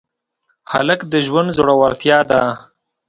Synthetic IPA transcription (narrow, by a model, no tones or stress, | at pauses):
ha̰ləkd̪əʒwand̪zoɽawaɾt̪jɑːd̪a